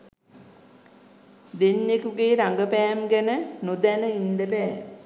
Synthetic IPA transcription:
d̪enːekuɡeːɾaŋɡəpæːmɡænənud̪æləind̪əpɛː

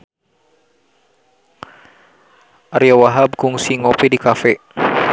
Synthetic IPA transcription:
ʔaɾiawaɦab̚kuŋsiŋopɛdikafɛ

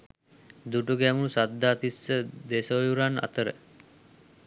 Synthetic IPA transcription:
d̪uʈuɡæːmunusad̪ːaːt̪isːəd̪esojuɾana̰t̪əɾə̰

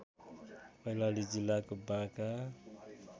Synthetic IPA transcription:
pʌjlalid͡zilːakobaka

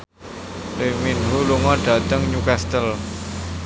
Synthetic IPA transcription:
leminɦuluŋɔɖ̥a̤t̪əŋɲukast̪əl

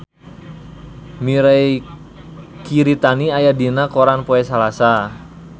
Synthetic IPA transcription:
miɾaj | kiɾit̪aniajadinakoɾanpoɛsalasa

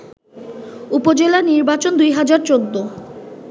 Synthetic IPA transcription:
upod͡ʑelaniɾbat͡ɕond̪ujɦad͡ʑaɾt͡ɕod̪ːo

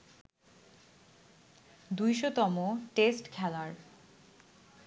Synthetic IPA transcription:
d̪ujʃot̪ɔmoʈesʈkʰɛlaɾ

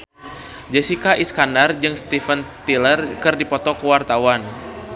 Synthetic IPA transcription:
d͡ʒɛsikaʔiskandard͡ʒɨŋst̪ifənt̪ilərkɨrdipɔt̪ɔkəwart̪awan

